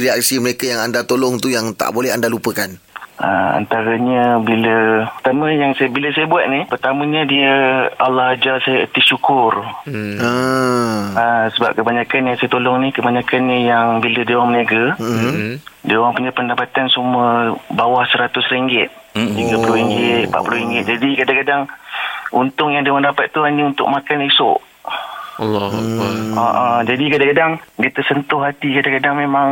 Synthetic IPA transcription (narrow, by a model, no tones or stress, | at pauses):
ɾiak̚siməɾekajaŋandat̪olɔŋt̪ujaŋt̪a̰ʔbolɛɦandalupəkanʔaa̰nt̪aɾaɲəbilət̪amə̃jaŋsabiləsajəbuat̪̚nihpərt̪amə̃ɲədiəa̰lːɔhad͡ʒalsajəə̰t̪iʃukʊra | asəba̰p̚kəbaɲakanjaŋsajət̪olɔŋnikəbaɲakanɲəjaŋbilədewaŋmənaɡə | dewaŋpuɲapəndapat̪ansuməbawahsəɾat̪ʊsɾiŋɡɪt̪̚t̪iɡapulʊɾiŋɡɪt̪̚pa̰ʔpulʊɾiŋɡɪt̪̚d͡ʒadikadaŋkadaŋ | unt̪ʊŋjaŋdewandapat̪̚ːuɦaɲəunt̪ʊ̰k̚makanisʊ̰ʔ | l | aʔad͡ʒadikadãŋkadaŋdiət̪əsənt̪ʊhɦat̪ikadaŋkadaŋmemaŋ